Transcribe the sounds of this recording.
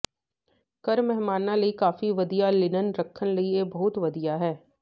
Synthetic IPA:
kɐɾmɛɦmaːnãlɐikaːfiʋɐd̪ijalɪnənɾɐkʰːənlɐiebɐɦʊt̪ʋɐd̪ijaɦɛː

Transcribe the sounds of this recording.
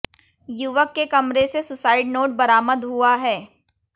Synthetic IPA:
juʋəkːekɐmɾesesʊsaːɪɖnoːʈ̚bɐɾaːməd̪ɦuaɦɛː

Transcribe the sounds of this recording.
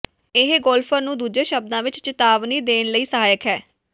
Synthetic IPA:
ɪɦɡɔːlpʰəɾnũːd̪uːd͡ʒeːʃəb̚d̪ãːʋɪt͡ʃt͡ʃɪt̪aːʋniːd̪eːnləiːsəɦaːjəkɦɛː

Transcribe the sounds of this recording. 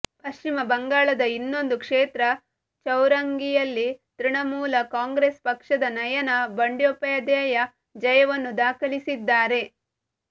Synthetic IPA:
pɐʃt͡ʃimɐbɐŋɡaːɭɐd̪ɐinːo̞nd̪ukʂeːt̪ɾɐ | t͡ʃɐwɾɐŋɡijɐlːit̪ɾiɳɐmuːlɐkaːŋɡɾespɐkʂɐd̪ɐnɐjɐnɐbɐɳɖjopɐɐd̪ɛːjɐ | d͡ʒɐjɐʋɐnːud̪aːkʰɐɭisid̪ːaːɾe̞

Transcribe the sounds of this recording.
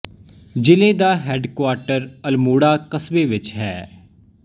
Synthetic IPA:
d͡ʒɪlẽːd̪aːɦɛːɖkwaːɾʈəɾəlmuːɽaːkəsbeːʋɪt͡ʃɦɛː

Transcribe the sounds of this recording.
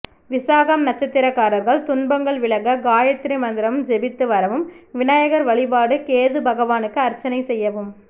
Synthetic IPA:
ʋɪsaːɣɐmnɐt͡ʃːɐt̪ːɪɾɐkːaːɾɐɾɣɐɭt̪ʊnbɐŋɡɐɭʋɪɭɐɣɐɡaːjɐt̪ːɪɾimɐnd̪ɪɾɐmd͡ʒɛbɪt̪ːɯʋɐɾɐʋɯmʋɪnajɐɣɐɾʋɐɭɪbaːɽɯkeːðɯbʱɐɣɐʋaːnɯkːɯɐɾt͡ʃːɐnɐɪsɛjːɐʋɯm

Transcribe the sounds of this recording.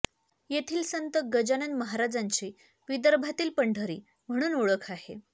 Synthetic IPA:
jet̪ʰiːlsənt̪əɡəd͡ʑanənməɦaɾad͡zaɲt͡ɕiː | ʋid̪əɾbʱat̪iːlpəɳɖʱəɾḭː | m̤əɽ̃uːnoɭəkʰaɦe

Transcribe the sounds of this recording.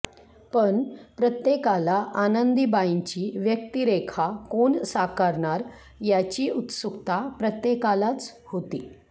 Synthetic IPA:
pəɳpɾət̪jekalaʔanənd̪ibaiɲt͡ɕiːʋjək̚t̪iɾekʰakoɳsakəɾɳaɾ | jat͡ɕiːut̪sukt̪apɾət̪jekalat͡shot̪iː

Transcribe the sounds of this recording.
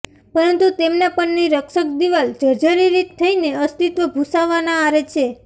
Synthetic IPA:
pəɾənt̪ut̪emnapəɳniɾəkʃək̚d̪iʋald͡ʒəɾd͡ʒəɾiɾikt̪ʰːəineəst̪it̪ʋəbʱusaʋːanaːɾet͡ʃʰe

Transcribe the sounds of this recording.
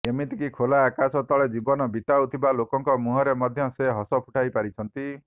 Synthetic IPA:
emit̪ikikʰolaːkasɔt̪ɔɭed͡ʒibɔnɔbit̪awt̪ʰibalokɔŋkɔmuɦɔɾemɔd̪ʱjɔseɦɔsɔpʰuʈʰajpaɾit͡ʃʰɔnt̪i

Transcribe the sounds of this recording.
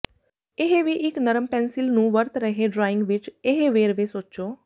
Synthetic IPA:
eɦeʋiʔɪknəɾəmpɛ̃ːnsɪlnũːʋəɾt̪ɾəɦeɖɾaːɪ̃ŋɡʋɪt͡ʃeɦeʋeːɾʋesoːt͡ʃoː

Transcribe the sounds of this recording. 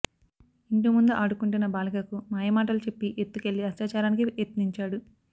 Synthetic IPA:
iɳʈumund̪uʔaːɽukuɳʈunːɐbaːlɐɡɐkumaːjɐmaːʈ̬ɐlut͡ʃe̞pːiʔet̪ːuke̞ɭːiɐt͡ʃaːt͡ʃaːɾaːnikiet̪niɲt͡ʃaːɽu

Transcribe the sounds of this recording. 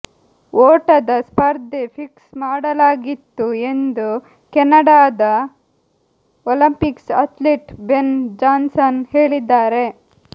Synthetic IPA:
oːʈɐd̪ɐspɐɾd̪epʰiksmaːɽɐlaːɡit̪ːue̞nd̪u | kɛnːɐɽaːd̪ɐ | olɐmpiksɐt̪liʈbend͡ʒaːnsɐnheːɭid̪ːaːɾe̞

